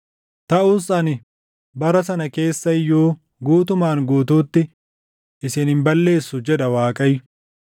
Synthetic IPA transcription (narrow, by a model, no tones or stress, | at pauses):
t̪ɐuːsɐnɪ | bɐɾɐs̬ɐnɐke̞ːsːɐɪjoː | ɡuːt̪̬ʊmaːŋɡuːt̪uːt̪ːɪ | ʔɪsɪnhɪmbɐlːe̞ːsːʊd͡ʒɛᶑɐwaːkʼɐj